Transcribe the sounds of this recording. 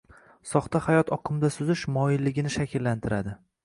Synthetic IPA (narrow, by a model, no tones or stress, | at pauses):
sɒχt̪ahajɒt̪ʰɒqʰɨmd̪asʊzɪʃmɒjɪlːɪɡʲɪnɪʃakʲɪlːant̪ʰɪɾad̪ɪ